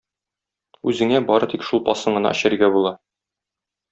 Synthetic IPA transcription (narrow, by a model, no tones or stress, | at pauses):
ʉzɘ̆ŋæbɒɾɤt̪ikʃulˠpɒsɤɴɤ̆nɑ̰ʔɘ̆ɕɘ̆ɾɡæbulˠɑ